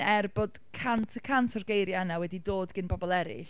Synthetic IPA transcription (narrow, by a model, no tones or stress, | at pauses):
ɛrbɔd̥kʰantʰəkʰantʰɔrɡejɾjanawɛdidoːdɡ̥ɪnbɔbɔlˠɛɾɪ̰ɬ